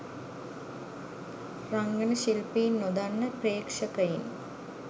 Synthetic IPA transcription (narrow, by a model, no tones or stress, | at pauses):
raŋɡənəʃilpiinːod̪anːəpreːkʂəkɐjin